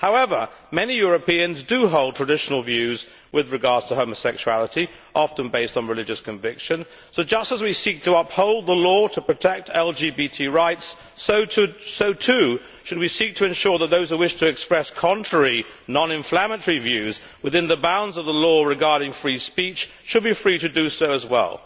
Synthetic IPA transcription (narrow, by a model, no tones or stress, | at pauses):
haʊɛvə˞ | mɛnijʊɹɨpiɨ̃nzdɨɦoʊlˠd̚tʰɹ̥ɨdɪʃn̩l̩ˠvjʉz | wɨðɹɨɡɑɹd̥z̥tʰəɦoʊməsɛkʃʉælˠəɾi | ʔɑfɨ̃n̩beɪstn̩ɹɨlɪd͡ʒɨskʰɨ̃ɱvɪkʃɨ̃n | soʊd͡ʒʌstəzwisik̚tʰəʌphoʊlˠd̪̚ðəlɔɾəpʰɹ̥ɨtʰɛk̚tʰɛlˠd͡ʒibitʰiɹaɪts | oʊtɨsoʊtʰʉ | ʃɨd̚wisik̚tʰɨɨ̃nʃʊɹðət̪̚ðoʊz̥hʉwɪʃtʰɨɨkspɹɛskʰɑ̃ntʰɹ̥ɛɹi | nɑ̃nɨ̃ɱflæmə̃tə˞ivjʉz | wɨðɪ̃nðəbãʊ̃ndzʌvðəlɔɹɨɡɑɹɾɪ̃ŋfɹispit͡ʃ | ʃɨd̚bifɹiɾɨdɨsoʊəzwɛ̰lˠ